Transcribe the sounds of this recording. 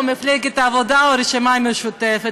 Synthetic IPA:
meflɛɡɛt̪avod̪aoɾiʃimameʃut̪ɛfɛ

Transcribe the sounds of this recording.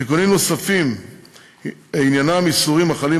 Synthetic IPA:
tikonimnosafim | injanamisuʁimaχali

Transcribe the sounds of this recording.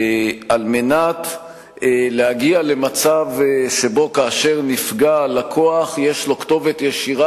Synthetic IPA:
alme̞nat | leaɡiale̞mat͡savʃe̞bo̞kaːʃe̞ʁnifɡalakʰo̞aχjeʃlo̞kto̞vetjeʃiʁa

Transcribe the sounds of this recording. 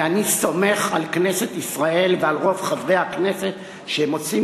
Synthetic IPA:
aniso̞me̞χalkne̞se̞t̪isʁaʔe̞lvealʁo̞vχavʁe̞hakne̞set̪ | ʃeemot͡si

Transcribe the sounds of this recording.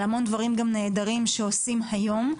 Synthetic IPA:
hamo̞nd̪vaʁimɡamne̞ːd̪aʁimʃeosimhajo̞m

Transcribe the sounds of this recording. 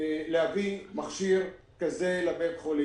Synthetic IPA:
leavimaχʃiʁ | kazelabetχoli

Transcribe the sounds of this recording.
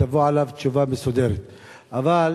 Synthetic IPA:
avuʕalavt̪t͡ʃuvamesod̪eɾet̪ | ʔaval

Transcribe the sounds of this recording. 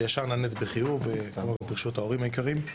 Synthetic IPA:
jaʃaʁnanetbeχijuvekamokbiʁʃut̪ao̞ʁimajikaʁim

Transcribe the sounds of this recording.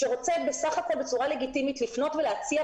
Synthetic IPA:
ʃeʁo̞t͡sebesaχako̞lbet͡suʁale̞ɡitimitlifno̞tveleat͡sia

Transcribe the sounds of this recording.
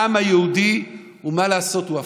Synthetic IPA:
amajeud̪i | umalaːso̞t̪ua

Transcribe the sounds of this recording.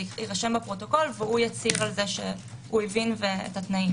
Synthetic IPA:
iʁaʃe̞mbapʁo̞to̞ko̞lveujat͡siʁalzeʃḛhuevinveḛtatnaim

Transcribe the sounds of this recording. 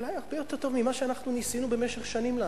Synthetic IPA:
lajaʁbejo̞t̪e̞ʁt̪o̞vmimaʃeanaχnunisinube̞meʃeχʃanimla

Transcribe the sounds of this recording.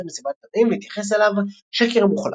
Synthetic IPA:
mesimat̪̚ad̪imit̪jaχe̞s̬elav | ʃekeʁmuχla̰

